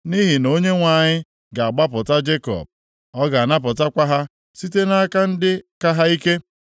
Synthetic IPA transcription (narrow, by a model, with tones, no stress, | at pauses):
ni˦ɦi˨no˦ɲe˦ŋʷa˨ɲɪ˦ | ɡa˨a˨ɡ͡ba˦pʊ˨ta˦d͡ʒe˦kɔ̰˨b̚ | ɔ˦ɡa˨a˨na˦p̬ʊ˨ta˦kʷa˦ɦa˦ | si˦te˦na˦ka˦n̩˦dɪ˦ka˦ɦa˦i˦ke˦